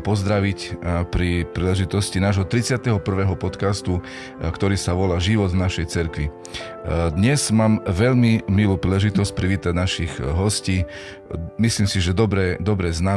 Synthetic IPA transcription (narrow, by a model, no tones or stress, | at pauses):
pɔzd̪ɾaʋicpɾipɾiːlɛʒit̪ɔscinaːʒɦɔt̪ɾit͡sɪat̪ɛɦɔpr̩ʋɛːɦɔpɔt̪kast̪u | kt̪ɔɾiːsaʋɔlaːʒiʋɔd̪vnaʃɛjt͡sɛɾkʋi | d̪ɲɛz̥maːmʋɛʎmimiluːpɾiːlɛʒit̪ɔsc̚pɾiʋiːt̪aɟnaʃiɣɦɔsciː | misliːmsiʒɛd̪ɔbɾɛːd̪ɔbɾɛːzna